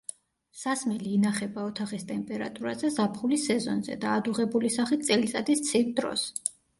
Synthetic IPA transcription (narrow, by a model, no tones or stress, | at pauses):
sasmɛliːnaχɛbaɔt̪ʰaχist̪ʼɛmpʼɛɾa̰t̪ʼuɾazɛzapʰχulisɛzɔnzɛ̰d̪aːd̪uʁɛbulisaχit̪̚sʼɛlit̪sʼad̪ist̪sʰivd̪ɾɔ̰s